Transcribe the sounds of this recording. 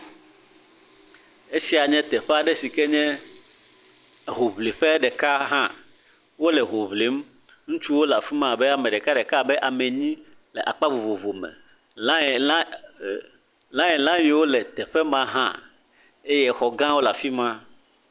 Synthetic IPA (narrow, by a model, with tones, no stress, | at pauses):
e˦si˦a˨ɲɛ̃˦t̪ɛ˨ɸɛ˦a˨ɖɛ˦si˨kɛ˦ɲɛ̃˦ | ɦo˨βle˨ɸɛ˦ɖɛ˨ka˦ɦã˦ | wo˦lɛ˨ɦo˨βle˨˦m | ŋũ˦t͡ʃu˦wo˦la˨fi˦mã˦˨bɛ˦a˨mɛ̃˨ɖɛ˨ka˦ɖɛ˨ka˦˨bɛ˦ʔa˨mɛ˨ɲĩ˦ | lɛ˨ʔa˨k͡pa˦vo˨vo˨vo˨mɛ̰˨˦ | lã˦jɛ˨lã˦wĩ˨wo˦lɛ˨t̪ɛ˨ɸɛ˦mã˦ɦã̰˦ | e˦jɛ˦xɔ˨ɡã˦wo˦la˨fi˦mã˦